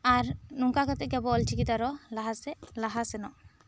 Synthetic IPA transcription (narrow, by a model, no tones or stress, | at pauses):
aɾnuŋkakat̪ɛkɛbɔltʰikit̪aɾɔlaɦasɛlaɦasɛnɔ